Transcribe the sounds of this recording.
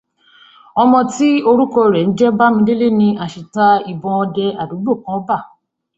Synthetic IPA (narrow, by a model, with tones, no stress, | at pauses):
ɔ˧mɔ̃˧ti˦o˧ɾu˦kɔ˧ɾɛ˨n̩˦d͡ʒɛ˦ba˦mĩ˧de˦le˦nĩ˧a˨ʃi˨ta˧i˨bɔ̃˧ɔ˧dɛ˧a˨du˨˦bo˦˨kã˦ba˦˨